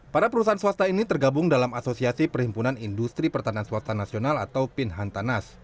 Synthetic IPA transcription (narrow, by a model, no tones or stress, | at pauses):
paɾapəɾusaɦanswast̪ainit̪ərɡabʊŋdalamasosiasipərhimpunanindust̪ɾipərt̪anianswast̪anasionala̰t̪awpinɦant̪anas